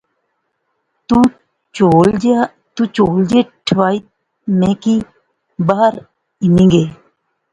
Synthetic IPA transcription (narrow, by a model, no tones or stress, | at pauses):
t̪u | t͡ʃoːl | t̪ũt͡ʃoːld͡ʒeːʈʰʋaːit̪̚ | mẽːki | baɦəɾ | inĩŋɡeː